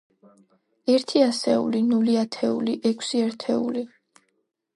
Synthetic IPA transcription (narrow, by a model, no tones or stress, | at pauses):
ɛɾt̪ʰiasɛṵlinuliat̪ʰɛuliʔɛkʰsiɛɾt̪ʰɛuli